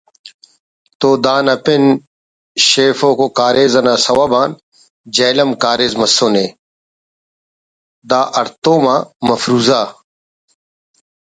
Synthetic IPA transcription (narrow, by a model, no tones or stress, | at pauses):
t̪oːd̪aːnɐpen | ɕeːfoːkoːkaːɾʔeːzɐnaːsɐwaːbaːn | d͡ʑeːlɐmkaːɾeːzmɐsoːneː | d̪aːʔɐɾt̪oːmaːmɐfɾuːzaː